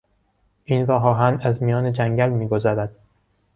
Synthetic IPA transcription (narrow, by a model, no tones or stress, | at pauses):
ʔiːnɾɒːɦɒːɦænæzmijɒːned͡ʒæŋɟælmiːɡozɒːɾæd̪̥